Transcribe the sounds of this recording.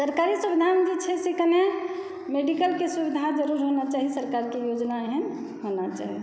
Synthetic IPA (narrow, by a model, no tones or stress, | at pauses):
səɾkaɾisubid̪ʱand͡ʒit͡ʃʰɛsekəne | meɖikəlkesubid̪ʱad͡ʒəɾuɾɦonat͡ʃaɦiesəɾkaɾkejod͡ʒnaɦɛn | honat͡ʃa̰ɦi